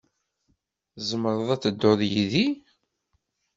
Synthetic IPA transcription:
zəməɾˤəðˤæt͡sːəd̪ːoðˤjiði

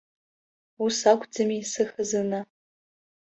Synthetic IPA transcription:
usakʷʰʼd͡zɨmisɨxəzɨna

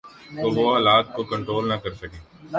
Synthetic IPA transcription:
t̪oʋoaːlaːt̪̚kokɐ̃ɳʈɾoːlnɐkɐɾsɐkẽː

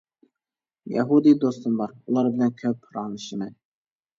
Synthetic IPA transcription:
jæ̰ɦud̪id̪ost̪ɨnbɑɾulˠɑɾbɪlʲænkʲʰøpʰɾɑːnɨʃɪmɛ

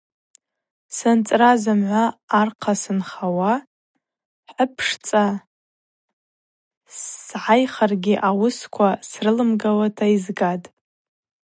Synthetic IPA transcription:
sɨnt͡sʼrazɨmʕʷaːrqʰasɨnχawa | ħəpʰʂt͡sʼa | sʕajχarɡʲiʔawʊskʷʰasrɨlɨmɡawatʰaizɡadʼ

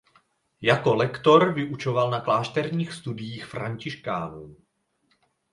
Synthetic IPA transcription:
jako̞lɛkt̪o̞ɾvɪʔut͡ʃo̞valnaklaːʃt̪ɛɾɲiːxst̪udɪjiːxfɾaɲcɪʃkaːnuː

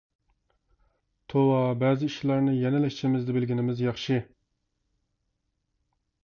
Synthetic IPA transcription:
t̪ʰowɑbɛːzɪiʃlˠɑɾnɨjɛnɪlɛʃt͡ʃʰɪmɪzd̪ɪbɪlɡʲinɪmɪzjɑχʃɨ

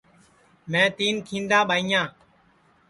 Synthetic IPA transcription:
mɛ̃ːt̪iːnkʰĩːnd̪ãːɓaːĩjãː

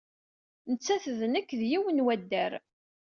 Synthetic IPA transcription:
nət͡sːæθðnəkːðjiwənwæd̪ːæɾ

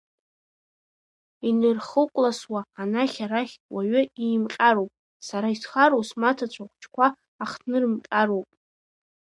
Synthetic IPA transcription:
inɨrχəqʷʼlaswaːnaχʲaɾaχʲwaɥʏimqʲʼaɾowpʼ | saɾaitʰχaɾosmatʰat͡ɕʷʰaχʷt͡ʃʰkʷʰaː | χʰnɨrmqʲʼaɾowpʼ

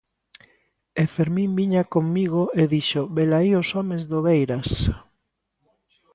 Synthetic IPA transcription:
efeɾmĩmbiɲakoŋmiɣoeðiʃobelaiosɔmezðoβejɾas

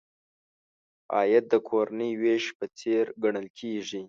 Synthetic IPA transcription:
ɑ̰ːjat̪̚d̪əkʰoɾanəjweʃpət͡seɾɡaɳəlkʰeʐi

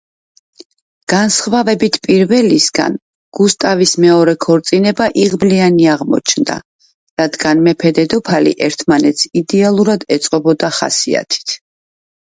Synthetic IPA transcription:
ɡ̥ansχvavɛbit̪ʰpʼiɾvɛlisɡa̰n | ɡ̥ust̪ʼavismɛɔɾɛkʰɔɾt̪sʼinɛbaʔiʁblianiaʁmɔ̰t͡ʃʰnd̪a̰ | ɾad̪ɡanmɛpʰɛd̪ɛd̪ɔpʰalḭʔɛɾt̪ʰmanɛt̪sid̪ɛalˠuɾad̪ɛt̪sʼqʼɔbɔd̪aχa̰sia̰t̪ʰi̥t̪ʰ

